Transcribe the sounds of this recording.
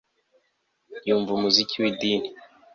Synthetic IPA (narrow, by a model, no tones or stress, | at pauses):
juːɱvumuzikʰiwidini